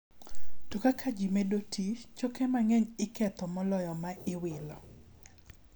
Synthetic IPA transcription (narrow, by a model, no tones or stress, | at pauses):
tokakʰad͡ʒimedotʰit͡ʃokɛmaŋɛɲɪkɛt̪ɔmɔlɔjɔmaʔɪwɪlɔ